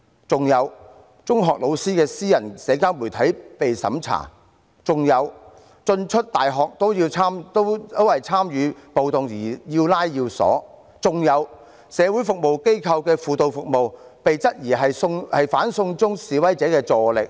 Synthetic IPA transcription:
t͡sʊ˨ŋjɐ˨˧w | t͡sʊ˥ŋɦɔː˨k̚lo˨˧wsiː˥kɛː˧siː˥jɐ˨˩nsɛː˨˧˥kaː˥wmuː˨˩jt̪ʰɐ˨˥jpe˨jsɐ̰˨˥mt͡sʰa̰ː˨˩ | t͡sʊ˨ŋjɐ˨˧w | t͡sɵ˧nt͡ʃʰɵ˥t̚t̪aː˨jɦɔː˨k̚t̪o˥wjiː˧wt͡sʰaː˥mt̪o˥wt̪o˥whɐ˨jt͡sʰaː˥mjyː˨˧po˨˧wt̪ʊ˨ŋjiː˨˩jiː˧wlaː˥jji˧wsɔ̰ː˨˥ | t͡sʊ˨ŋjɐ˨˧w | sɛː˨˧wu˨˥jfʊ˨k̚mo˨wke˥jkʰɐ˧wkɛː˧fuː˨t̪o˨˧wfʊ˨k̚mo˨wpe˨jt͡sɐ˥t̚jiː˨˩ɦɐ˨jsʊ˧ŋhɐ˨jfaː˨˥nsʊ˧ŋt͡sʊ˥ŋsiː˨˧wɐ˥jt͡sɛː˨˥kɛː˧t͡sɔː˨lɪ˨k̚

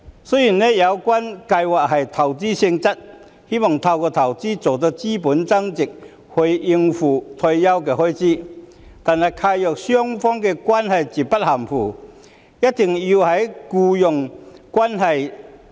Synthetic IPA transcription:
sø˥ji˨˩nɛ˦˥jɐ˨˧wkwaː˥nkɐ˧jwaː˨k̚hɐ˨jt̪ʰɐ˨˩wt͡siː˥sɪ˧ŋt͡sɐ˥t̚ | he˥mɔ˨˩ŋt̪ʰɐ˧wkɔː˧t̪ʰɐ˨˩wt͡siː˥t͡so˨˩wt̪̬o˧˥t͡siː˥pu˨˥nt͡sɐ˥ŋt͡sɪ˨k̚ | hɵ˧i˧ŋfuː˨˩t̪ʰɔ˧jjɐ˥wkɛː˧hɔː˥jt͡siː˥˩ | t̪aː˨nhɐ˨jkʰaː˧jœː˨k̚sœ˥ŋfɔː˥ŋkɛ˧kwaː˥nhɐ˨jt͡si˨˩pɐ˥t̚hɐ˨˩mfuː˨˩ | jɐ˥t̚t̪ːɪ˨˩ŋji˧whɐ˨˩jkuː˧jʊ˨˩ŋkwaː˥nɦɐ˨j

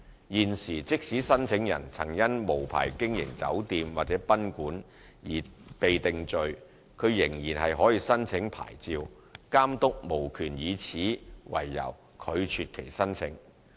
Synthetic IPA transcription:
jiː˨nsiː˨˩t͡sɪ˥k̚siː˨˥sɐ˥nt͡sʰɪ˨˥ŋjɐ̰˨˩nt͡sʰɐ˨˩ŋjɐ˥nmo˨˩wpʰa̰ː˨˩jkɪ˥ŋjɪ̰˨˩ŋt͡sɐ̰˨˥wt̪iː˨mwaː˨t̚t͡sɛː˨˥pɐ˥nkuː˨˥n | jiː˨˩pe˨jt̪ɪ˨ŋt͡sɵ˨ɥ | kʰɵ˨˧ɥjɪ˨˩ŋjiː˨˩nɦɐ˨jɦɔː˨˥jiː˧sɐ˥nt͡sʰɪ˨˥ŋpʰa̰ː˨˩jt͡siː˨w | kaː˥mt̪ʊ˥k̚mo˨˩wkʰyː˨˩njiː˨˧t͡sʰiː˨˥wɐ̰˨˩jːɐ̰˨˩w | kʰɵ˨˧ɥt͡ʃʰyː˨t̚kʰe˨˩jsɐ˥nt͡sʰɪ˨˥ŋ

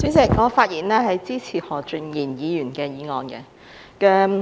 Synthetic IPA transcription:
si˨˥sɛ˨˩k̚ŋɔː˨˧faː˧t̚jiː˨˩nlɛː˥hɐ˨jt͡siː˥t͡sʰiː˨˩hɔː˨˩t͡ʃɵ˨˧ŋjiː˨˩njiː˨˧jyː˨˩nkɛː˧jiː˨˧ŋɔː˨˧nkɛ̰˧ | kɐ˧m

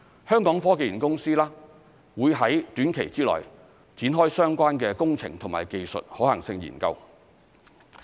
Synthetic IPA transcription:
hœː˥ŋkɔː˨˥ŋfɔː˥keː˨jy˨˩nkʊ˥ŋsiː˥laː˥ | wuː˨˧jɦɐ˨˥jt̪yː˨˥nkʰe˨˩jt͡siː˥lɔ̰ː˨˩j | t͡siː˨˥nɦɔː˥jsœː˥ŋkʷaː˥nkɛː˧kʊ˥ŋt͡sʰɪ̰˨˩ŋt̪ʰʊ˨˩ŋma̰ː˨˩jke˨jsɵ̰˨t̚hɔː˨˥hɐ˨˩ŋsɪ˧ŋjḭː˨˩nkɐ̰˧w

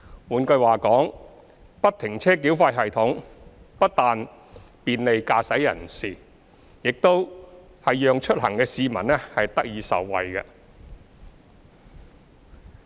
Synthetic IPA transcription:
wuː˨˧nkɵ˧ɥwaː˨kɔː˨˥ŋ | pɐ˥t̚t̪ʰɪ˨˩ŋt͡sʰɛː˥k̬iː˨˥wfaː˧jɦɐ˨jt̪ʰʊ˨˥ŋ | pɐ˥t̚t̪aː˨n | piː˨˧nle˨jkaː˧sɐ˨˥jːɐ̰˨˩nsiː˨˩ | jɪ˨k̚t̪o˥w | hɐ˨jjœː˨ŋt͡ʃʰɵ˥t̚hɐ˨˩ŋkɛː˧siː˨˧mɐ̰˨˩nlɛː˥hɐ˨jt̪ɐ˥k̚jiː˨˧sɐ̰˨˩wːɐ̰˨jkɛ̰˧

